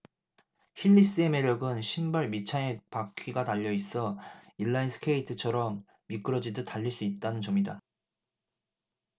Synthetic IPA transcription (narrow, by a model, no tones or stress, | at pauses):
çiʎːis͈ɯeme̞ɾjʌɡɯnɕʰimbaɭmit͡ɕʰanepakʰiɡataʎːʌis͈ʌiɭːainsʰɯ̥kʰe̞itʰɯt͡ɕʰʌɾʌmː | ik͈ɯɾʌd͡ʑidɯtaʎːiɭs͈uit̚t͈anɯnt͡ɕʌmida